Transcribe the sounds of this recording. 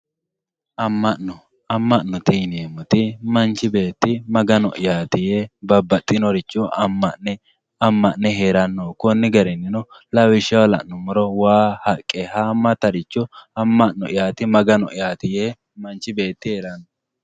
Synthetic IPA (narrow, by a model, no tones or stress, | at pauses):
ʔɐmːɐɔ | ɐmːɐʔnɔt̪inemʊt̪ɪmɐnt͡ʃːɪbe̞ːt̪ːɪmɐɡɐnɔ̰ʔjaːt̪ɪjebɐbːɐt̪ʼːɪnɔɾɪt͡ʃːɔ | ɐmːɐʔnːɛɦeːɾɐnːokɔnːɪɡɐɾɛnːɪnɔ | lɐwɪʃɐwɐlɐ̰ʔnɔmɔɾɔwaːhɐkʼːɛhamːɐt̪ɐɾɪt͡ʃːɔɐmːɐʔnːɔʔɪjaːt̪ɪmɐɡɐnɔʔɪjaːt̪ɪje | mɐnt͡ʃːɪbe̞ːt̪ːɪheːɾɐnːɔ